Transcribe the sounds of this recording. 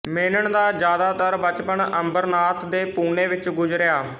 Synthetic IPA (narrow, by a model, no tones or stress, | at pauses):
meːnəɳd̪aːd͡ʒjaːd̪aːt̪əɾbət͡ʃpəɳəmbəɾnaːt̪d̪eːpuːneːʋɪt͡ʃɡʊd͡ʒɾɪjaː